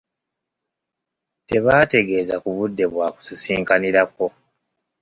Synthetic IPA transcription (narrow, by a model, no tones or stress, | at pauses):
te̞βaːte̞ɡe̞ːzakuβudːe̞βwaːku̥sisiːŋkaniɾako̞